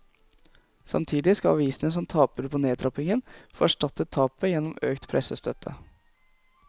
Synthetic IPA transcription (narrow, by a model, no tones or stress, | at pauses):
sɑ̰mt̪ʰiːd̪ɪskɑɑ̰ʋiːsənəs̬ɔmt̪ʰɑːpəɾpʰoːneːd̪ɾɑpɪŋənfoːæʂʈɑt̪ət̪ʰːɑːpəjɛnːɔmøːkt̪pʰɾʔɛsəst̪ʰœt̪ʰə̰